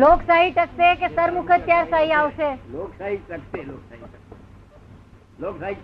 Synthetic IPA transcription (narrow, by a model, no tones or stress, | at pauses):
loːksaɦiʈəksekesəɾmʊkʰət̪jaɾsaɦiaʋʃeloːksaɦiʈəkseloːksaiʈəe | loːksai